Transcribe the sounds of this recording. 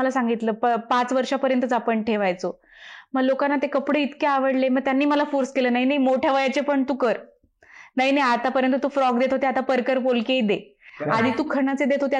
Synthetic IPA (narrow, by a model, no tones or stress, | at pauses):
əlasaŋɡit̪ləpəpat͡sʋəɾʂapəɾjənt̪ət͡sapəɳʈʰeʋajt͡so | məɡlokanːat̪ekəpɽeit̪keaʋəɽleməɡ̚t̪janːiːməlafuɾskeləːnaɦinaɦimoʈʰjaʋəjat͡ɕepəɳt̪uːkəɾ | naɦinaɦjat̪apəɾjənt̪ət̪uːfɾɔɡd̪et̪ɦot̪eat̪apəɾkəɾpolkeid̪ead̪ʱiːt̪uːkʰəɳat͡sed̪et̪ɦot̪e